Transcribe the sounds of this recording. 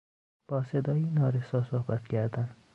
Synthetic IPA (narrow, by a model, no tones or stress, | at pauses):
b̥ɒːsed̪ɒːjinɒːɾesɒːsohbæt̪cʲʰæɾd̪æn